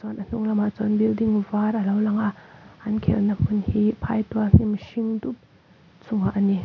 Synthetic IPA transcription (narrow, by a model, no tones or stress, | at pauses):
t͡sɔnən̥uŋlamat͡sɔnbildiŋvaɾɐlawlaŋaʔʔɐnkʰɛ̰lnapunhipʰajtuan̥imʃiŋdup̚ | t͡suŋaʔəni